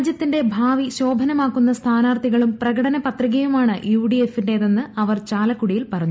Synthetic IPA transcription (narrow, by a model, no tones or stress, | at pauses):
d͡ʑjɐt̪ːinde̞bʱaːʋiɕo̞ːbʱɐnɐmaːkːunːɐst̪ʰaːnaːrt̪iɣɐɭumprɐɣɐɽɐnɐpɐt̪riɣɐjumaːɳɨjuːɖiefinde̞ðenːɨɐʋɐrt͡ɕaːlɐkːuɽijilpɐrɐɲːu